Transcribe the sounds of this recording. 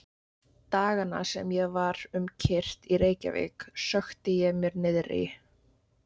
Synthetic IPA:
t̪aːɣana̰sɛmjɛɣvaɾʏmcʰɪr̥t̪iɾeːjca̰vɪ̰ksœxt̪ɪjɛɣmjɛɾnɪðɾɪ̰

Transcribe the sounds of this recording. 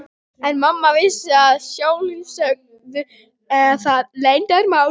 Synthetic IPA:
ɛnmamːavɪsɪaðsjoːwlisœk̚ | t̪ʏ | ɛaθaðlejnt̪ɛɾmaw

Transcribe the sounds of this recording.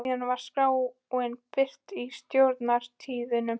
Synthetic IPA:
anvaɾ̥skaːw | ɔenpɪr̥t̪ist̪jowɾt̪naɾ̥t̪ʰiːðɪnʏm

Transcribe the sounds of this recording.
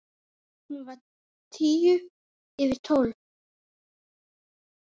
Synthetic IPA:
hunvaɾ | t̪ʰiːjʏ | ɪvɪɾ̥t̪ʰoːwl

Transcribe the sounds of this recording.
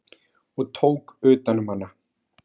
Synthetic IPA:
ɔɣt̪ʰoːwkʏːt̪anʏmhanːa

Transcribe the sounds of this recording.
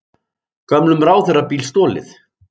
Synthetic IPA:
kamlʏmɾaːwθɛrapiːlst̪ɔːlɪ̰θ

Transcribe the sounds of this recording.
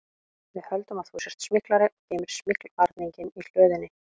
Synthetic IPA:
vɪðhœlt̪ʏmað̥θusɛɾ̥t̪smɪklaɾɪʔɔɣt̪eːmɪɾ̥smɪklaɾt̪niɲcɪnil̥œːðɪnːɪ

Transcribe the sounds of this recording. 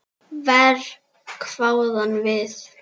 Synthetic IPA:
vɛɾ | kʰv̥awðanvɪð

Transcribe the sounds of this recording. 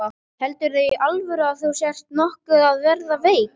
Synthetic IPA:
a | hɛlt̪ʏɾθejalvʏɾaðθuwsjɛr̥t̪nɔhkʏaðvɛɾðaveːjk

